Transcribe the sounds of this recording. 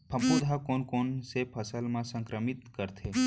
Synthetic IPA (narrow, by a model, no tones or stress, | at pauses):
pʰəpod̪ʱakoːnkonsepʰəsəlmãsə̃ŋkɾəmɪt̪kəɾt̪ʰe